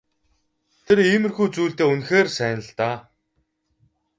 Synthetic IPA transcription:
t̪ʰeɾiːmɘ̆rxuːt͡suːɬt̪eːunxeːrsæːnə̆ɮt̪aː

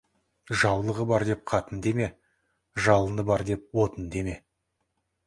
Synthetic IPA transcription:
ʒɑwlˠəʁəbɑɾd̪e̞p̚qʰɑt̪ənd̪e̞me̞ | ʒɑlˠənəbɑɾd̪e̞p̚wo̞t̪ənd̪e̞me̞

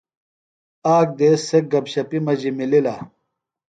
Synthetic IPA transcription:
aːk̚d̪eːsːek̚ɡɐbɕɐpimɐd͡ʑimilila̰

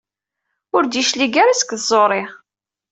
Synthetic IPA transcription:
ʊɾd̪iʃliɡaɾasə̥kðzˤoɾˤeʁ

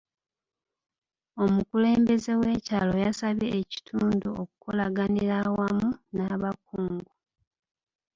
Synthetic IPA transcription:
o̞mukule̞ːmbe̞ze̞we̞ːcaːlo̞jasaβeːci̥tʰuːnduokuko̞laɡaniɾawamunaβakuːŋɡu

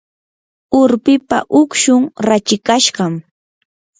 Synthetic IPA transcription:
ʊɾpɪpa̰ʔʊkʃʊŋɾat͡ʃɪkaʃɢɑm

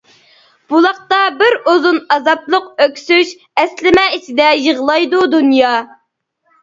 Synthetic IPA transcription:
b̥ulˠɑqt̪ɑbɪɾozunɑzɑplˠʊq̚økʲsyʃ | ɛslɪmɛit͡ʃʰɪd̪ɛjəʁlˠɑjd̪ud̪unjɑː

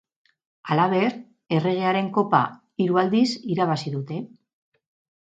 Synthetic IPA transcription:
alaβ̞e̞ɾ | e̞re̞ɣ̞e̞aɾe̞ŋko̞pa̰ | iɾuald̪isiɾaβ̞asiðut̪e̞

